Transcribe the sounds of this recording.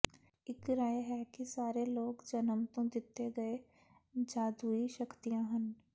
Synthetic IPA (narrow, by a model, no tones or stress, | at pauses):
ɪkɾaːjɦɛkisaːɾeloːɡd͡ʒɐnəmt̪õd̪ɪt̪ːeɡɐe | d͡ʒaːd̪uiʃɐkt̪ijãɦɐn